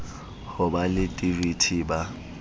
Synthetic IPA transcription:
hʊbalɪtʼiritʰiba

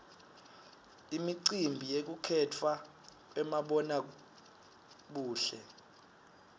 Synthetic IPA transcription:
imiǀimbʱijek̬ukʰɛtʰwa | ɛmaɓɔna | ɓuːɬɛ̰

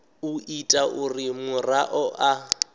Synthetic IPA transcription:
ʊitʼaʔʊrɪmʊraʔɔʔa

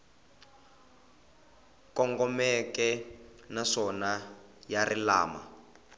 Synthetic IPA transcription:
kɔŋɡɔmɛkɛnaʂɔna | jarila̰ːma̰

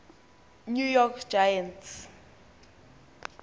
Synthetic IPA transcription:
nujɔkʰd͡ʒajants

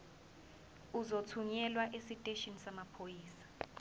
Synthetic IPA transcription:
uzotʰuɲɛlwaʔesitʼeʃinsamapʰojiːsḁ

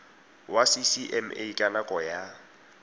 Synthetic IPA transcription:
wasisiʔɛmḛikʼanakʼɔja

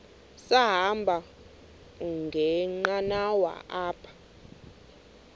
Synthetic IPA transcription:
saɦambʱa | ŋɡʱɛŋ͡ǃanawa̰ʔaːpʰḁ

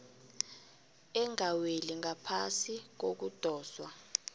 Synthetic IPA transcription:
ɛŋaweliŋapʰasik̬ok̬ud̥ʱɔːswa

